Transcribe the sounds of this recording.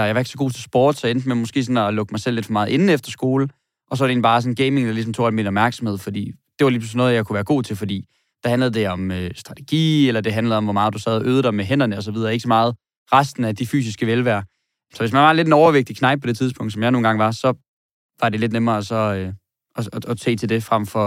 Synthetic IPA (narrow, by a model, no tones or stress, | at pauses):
jɑɪʋɑe̝ɡ̥sɒɡ̥o̝̰ːt͡sʰe̝lsb̥ɔ̰ːd̥sɒ̽end̥əmemɒ̽sɡ̥e̝̰ːsɒ̽nɒlɔ̽ɡ̥əmɑ̈ɪsel̰le̝d̥fɒ̽mɑ̈ːð̩ˠe̝nn̩efd̥ɐsɡ̥o̝ːlə | ʔɒ̽s̬ɒʋɑɾe̝ːnb̥ɑ̈ːsɒ̽n̩ɡ̥eɪme̝ŋllis̬ɒmt͡sʰo̝̰ːæ̰lminɒ̽b̥mæɐɡ̥sɒmhe̝ð̰ˠfɒ̽d̥ḭːd̥e̝ʋɑ̈liːpʰlusnɔ̽ːð̞̩ˠjɑkʰuʋæːɐɡ̥o̝̰ːt͡sʰe̝lfɒ̽d̥ḭː | d̥æ̈hænləð̩ˠd̥e̝ɒ̽møsd̥ʁɑ̈t͡sʰe̥ɡ̥ḭːelɐd̥e̝ɦænləð̩ˠɒ̽mʋɒmɑ̈ːðˠd̥usɛð̞ˠɒʔøːð̞ˠdɾ̥aɪmeɦen̰ɐnəɒ̽sɒʋiðˠɐːeɡ̥sɒ̽mɑ̈ːð̞̩ˠ | ʁasd̥n̩æd̥ify̰ːsisɡ̥əʋelʋæɐ̰ | sɒ̽ʋes̬mænʋɑ̈le̝denɒʊɐʋeɡ̥̚d̥ikʰnɑ̈ɪb̥pʰːɒ̽d̥e̝t͡sʰiðˠspʰɔ̽ŋ̰d̥sɒmjɑ̈no̝ːnɡɑ̈ŋʋɑ̈sɒ̽ | ʋɑ̈de̝le̝d̥nemɐːsɒ̽ø | ɒɒsʰe̝̰ːt͡sʰe̝ld̥e̝fʁam̰fɒ̽